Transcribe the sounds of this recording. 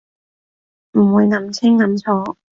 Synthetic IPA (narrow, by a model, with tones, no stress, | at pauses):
m̩˨˩wuː˨˧jnɐ˨˩mt͡sʰɪ˥ŋːɐ˨˥˦mt͡sʰɔː˨˥